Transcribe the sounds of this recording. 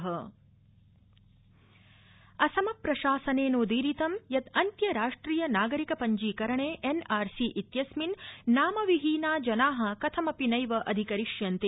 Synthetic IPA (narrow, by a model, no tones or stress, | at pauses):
ɦɐ | ɐsɐmɐpɾɐʃaːsɐneːnoːd̪iːɾit̪ɐmjɐt̪ɐnt̪jɐɾaːʂʈɾiːjɐnaːɡɐɾikɐpɐɲd͡ʒiːkɐɾɐɳeːʔenaːɾsiːʔit̪jɐsminːaːmɐʋiɦiːnaːd͡ʒɐnaːɦɐ̆kɐt̪ʰɐmɐpinɐjʋɐʔɐd̪ʱikɐɾiʂjɐnt̪e